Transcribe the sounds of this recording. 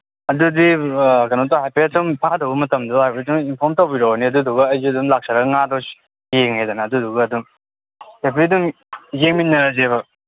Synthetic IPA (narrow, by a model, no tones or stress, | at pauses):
ɐdudikɐnotɔɦajpetumpʰadɐwbɐmɐtɐmduhajpetʰumimpʰɔɾmtowbiɾoniɐduduɡɐɐjzudumlak̚sʰaɾaɡɐŋadɔs | jeŋhejdanɐːduduɡɐːdum | epidum | jeŋminːɐɾazebɐ